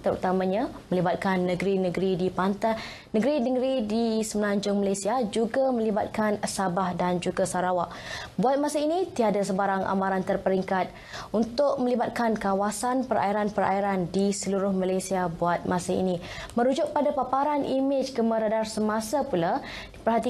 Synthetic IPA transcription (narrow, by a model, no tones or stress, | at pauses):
t̪əɾṵt̪amãɲamə̃libat̪̚kanːəɡɾinə̃ɡɾidipant̪a | nə̃ɡɾinəɡɾidisəmənãɲd͡ʒʊŋmalasiad͡ʒuɡamə̃liba̰t̪̚kansabahdand͡ʒuɡasaɾawaʔbuat̪̚masainit̪iadasəbaɾaŋʔa̰mãɾant̪ərpəɾiŋkat̪̚ | unt̪ʊʔ̚mə̃libat̪̚kankawasanpəɾʔa̰iɾanpəɾa̰iɾandisəluɾʊhmalajsiabuat̪̚mãsaḭni | mə̃ɾud͡ʒʊʔ̚padapapaɾanʔimɪd͡ʒkəmə̃ɾadarsəmasapula | dipərɦat̪i